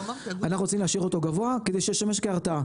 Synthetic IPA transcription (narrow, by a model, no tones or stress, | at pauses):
anaχnuʁot͡simlehaʃiʁot̪o̞ɡavo̞aked̪ejʃejeʃame̞ʃ̬keaʁt̪a